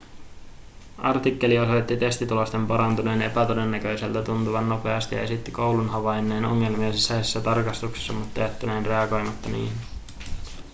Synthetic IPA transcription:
ʔɑ̰rt̪ikːe̞lio̞so̞jt̪ːit̪e̞st̪it̪ulo̞st̪e̞mpɑɾɑnt̪une̞ːne̞pæt̪ode̞nːækø̞jse̞lt̪æt̪unt̪uʋɑnːo̞pe̞ɑst̪ijɑ̰e̞sit̪ːiko̞wlunɦɑʋɑjnːe̞ːno̰ŋːe̞lmiɑsisːæjsesːæt̪ɑrkɑst̪ukse̥sːɑmut̪ːɑjæt̪ːæneːnre̞ɑɡo̞jmɑt̪ːɑnḭːhin

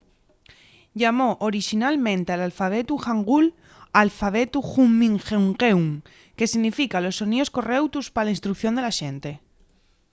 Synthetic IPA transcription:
ʎamo̞ʔoɾiʃinalmẽnt̪ealalfaβ̞e̞t̪uxaŋɡul | alfaβ̞e̞t̪uxumĩŋxewŋɣewŋ | ke̞siɣnifikalo̞sːo̞nio̞sko̞re̞wt̪uspalainst̪ɾukθjo̞nd̪e̞laʃe̞nt̪e̞

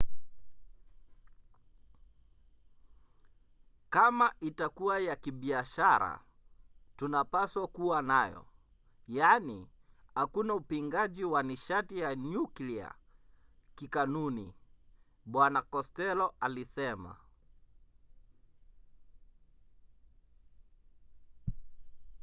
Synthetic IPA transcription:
kamaʔitakuwajakiɓiaʃaɾa̰ | tunapaswakuwanajɔ̰ | janihakunaupiŋɡaʄiwaniʃatijanuklia̰ | kikanunḭ | ɓwanakɔstɛlɔʔalisɛma̰

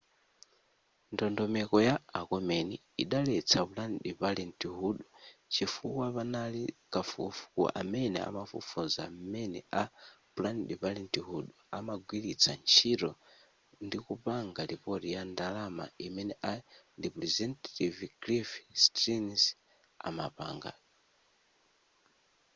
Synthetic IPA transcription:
ndɔndɔmɛkɔjaːkɔmɛni | iɗalɛt͡sʰapulanɗiβalɛntiɦuɗut͡ʃifukwaβanalikafufu̥kṵʔa̰mɛnɛ̰a̰mafṵfuzamɛnɛ̰apulanɗiβalɛntiɦuɗɔamaɡwilit͡sʰant͡ʃʰiɾɔ | ndikupaŋɡalipɔɾijandalama̰imɛnɛʔandipɾɛzɛntativɡlifstɾins | a̰mapa̰ːŋɡa̰

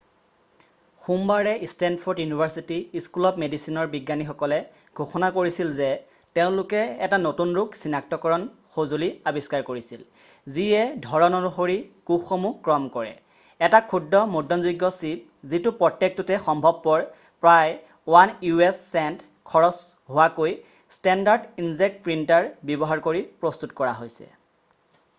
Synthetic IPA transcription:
xumbaɹɛʔistɛndpʰoɹdjunibʱaɹsitiːskulɔpmedisinɔɹbiɡːanixɔkɔlɛ | ɡʱoxɔnakoɹisilzɛ | teʊ̃lʊkɛɛtanotunɹuksinak̚tɔkɔɹɔnxozoliabiskaɹkoɹisil | ziɛdʱɔɹɔnɔnuxoɹikuxomukːɹɔmkɔɹɛ̰ | ɛtakʰudːɔmodʱɔnziɡːɔsip̚zitupɹɔtːek̚tutɛxɔmbʱɔb̚pɔɹ | pɹaj | wanjuɛsːɛnt | kʰɔɹɔsɦʊakoj | stɛndaɹdinzek̚t̚pɹintaɹbjɔbɔɦaɹkoɹipɹɔstutkɔɹa̰ɦojsɛ̰

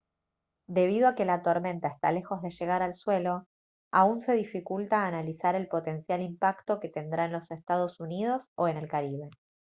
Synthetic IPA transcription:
d̪e̞β̞iðo̞ake̞lat̪o̞ɾmẽ̞nt̪aest̪a̰le̞xo̞zðe̞ʒe̞ɣ̞aɾalswe̞lo̞ | aunse̞ðifikult̪aːnalisaɾe̞lpo̞t̪e̞nsjalimpakt̪o̞ke̞t̪e̞nd̪ɾaenlo̞sest̪að̞o̞sunið̞o̞so̞e̞ne̞lkaɾiβe̞

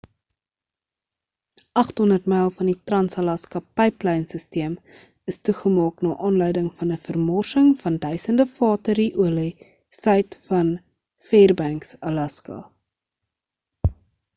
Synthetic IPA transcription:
ʔɐχtɦɔndərtmɛjlˠfɐnditrɐnsɐlɐskɐpɛjplɛjnsəstiəm | əstuχəmɑːknɑːʔɑːnlœɥdəŋfɐnəfərmɔrsəŋfɐndœɥsəndəfɑːtəɾiʔuəli | sœɥtfɐn | feːrbæŋksɐlɐskɑ̰

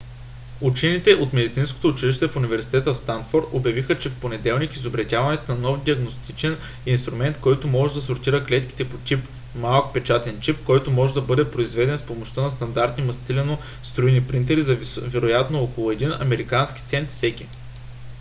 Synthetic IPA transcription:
ut͡ʃɛnit̪ɛʔot̪mɛd̪ʲit̪sinsko̥t̪oːt͡ʃiliʃt̪ɛfunivɛɾsi̥t̪ɛt̪əfst̪ant̪foɾt̪objɐvixət͡ʃɛfponɛd̪ɛlˠnikizobɾɐt̪ʲjavɐnɛt̪onɐnɔfd̪ʲiɐɡnost̪it͡ʃɛn | inst̪ɾumɛnt̪kɔjt̪omɔʒɛd̪ɐsʊɾt̪iɾəklɛt̪k̟i̥t̪ɛpot̪ʲip | malˠkpɛt͡ʃat̪ɛnt͡ʃipkɔjt̪omɔʒɛd̪ɐbɤd̪ɛpɾoizvɛd̪ɛnspomoʃt̪ənɐst̪ɐnd̪aɾt̪nʲimɐst̪silɛno | st̪ɾuinipɾint̪̬ɛɾizɐvɛɾojat̪noɔkolˠʊɛd̪inɐ̰mɛɾikanskʲi̥t̪sɛnt̪fsɛkʲi

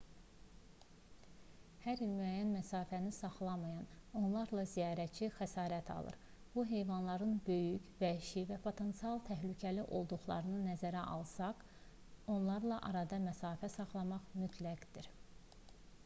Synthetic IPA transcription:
hæɾilmyæjænmæsɑːfænisɑχlˠɑmɑjɑno̞nlˠɑɾlˠɑzijɑːɾæt͡ʃʰixæsɑːɾæt̪ʰɑ̰lˠɯ̰ɾ | b̥uɦe̞jvɑnlˠɑɾɯnbø̞jycvæiʃivæpʰo̞t̪ʰent̪siɑlˠt̪ʰæɦlycʰæliʔo̞lˠd̪uχlˠɑ̰ɾɯnɯnæzæɾæʔɑ̰lˠsɑq | o̞nlˠɑɾlˠɑʔɑɾɑd̪ɑmæsɑːfæsɑχlˠɑmɑχmyt̪ʰlæɡd̪̥iɾ

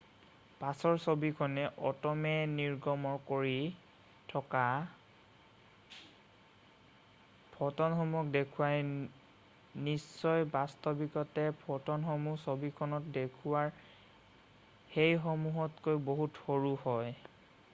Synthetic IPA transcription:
pasɔɹsobikʰɔnɛʔɔtɔmɛniɹɡɔmɔɹkoɹi | tʰɔka | pʰɔtɔnxɔmɔk̚dekʰuwaj | nisːɔjbastɔbikɔtɛpʰɔtɔnxɔmusobikʰɔnɔtdekʰuwaɹ | xejxomuɦɔtkojboɦutxoɹuhɔj

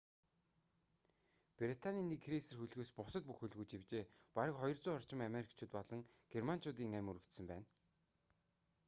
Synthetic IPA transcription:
prit̪ʰaniːniːkʰɾisɘ̆rxuɮɣoːspʊsə̆t̪̚puxɵɮɣuːt͡ɕiwt͡ɕeːpaɾə̆kχɔjɞ̆rt͡sʊːɔr̥t͡ɕɪ̆mameɾikʰt͡ɕʰʊːt̪pɔɮɞ̆ŋɡ̥erman̥t͡ɕʰʊːt̪̬iːŋæmʲuɾɵ̆kt̪sɘ̆mpæːn

